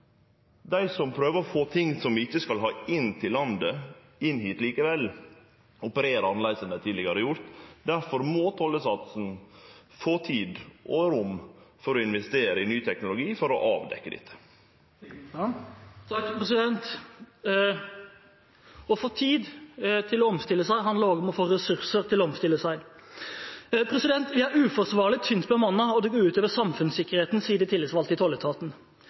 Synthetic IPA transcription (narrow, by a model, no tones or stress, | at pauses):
d̪æɪsɔmpʰɾøːʋəɾɔfoːt̪ʰɪŋsɔmɪçːəskɑlɦɑːɪnːt̪ʰɪlːɑnd̪ə | ɪnːhiːt̪liːkəʋɛlː | ɔpəɾeːɾəɑnlæɪsənət̪ʰiːd̪lɪɡəɾəjʊɾt̪d̪æɾfɔɾmoːt̪ʰɔlːəsɑt̪sn̩ | foːt̪ʰiːd̪ʔoːəɾʊmfɔɾɔɪnʋɛst̪eːɾəɪnyːt̪ʰɛknʊlʊɡiːfɔɾɔʔɑːʋd̪ɛ̰kːəd̪ɪ̰t̪ʰːə̥ | t̪ʰkpɾɛsɪd̪ɛnt̪ | ɔfoːt̪ʰiːd̪t̪ʰɪlɔɔmst̪ɪlːəsæɪɦɑnd̪ləɾoːɡɔmɔfoːɾɛsʉɾsəɾt̪ʰɪlɔɔmst̪ɪlːəsæɪ | pʰɾɛsɪd̪ɛnt̪ʋɪæɾʉːfɔɾsʋɑːʁlɪt̪ʰːʏnt̪bəmɑnːɑɔd̪ʉɡoɾʉːt̪øːʋəsɑmfʉnsɪkːəɾheːt̪n̩siːəd̪ɪt̪ʰɪləsʋɑlt̪ɪt̪ʰɔlət̪ʰɑːt̪n̩